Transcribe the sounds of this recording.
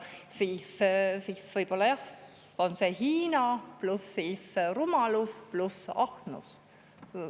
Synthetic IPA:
siːssiːsvɤjb̥o̞lːɑjɑh | onsehiːnɑplusːiːsrumɑlusplusɑht̪nṵs

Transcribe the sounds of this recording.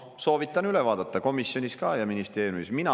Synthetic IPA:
so̞ːvit̪ːˑɑnylɛvɑːd̪̥ɑt̪ːɑko̞misjo̞nʲiskɑːjɑminist̪e̞ːɾjumisminɑ

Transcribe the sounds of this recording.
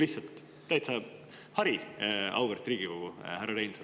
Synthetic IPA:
liht̪sɑlt̪ː | æjt̪sɑ | hɑɾiɑ̰wveɾt̪ɾiːɡ̥ikoɡ̥uhæɾɑɾejnse

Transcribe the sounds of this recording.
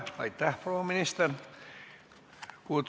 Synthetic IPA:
ʋɑ̰it̪t̪æhproːminist̪er | kuot̪

